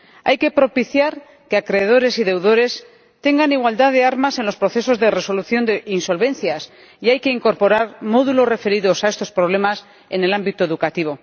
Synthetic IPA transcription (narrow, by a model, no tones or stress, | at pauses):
a̰jke̞pɾo̞piθjaɾ | keakɾeð̞o̞ɾe̞siðe̞wðo̞ɾe̞s | t̪e̞ŋɡaniɣwald̪aðe̞aɾmase̞nlo̞spɾo̞θe̞so̞zðe̞re̞so̞luθjo̞nd̪einso̞lβe̞nθjas | iajke̞iŋko̞ɾpo̞ɾaɾmo̞ðulo̞sre̞fe̞ɾiðosae̞st̪o̞spɾo̞β̞le̞mas | e̞̰ne̞lambit̪oeðukat̪iβ̞o̞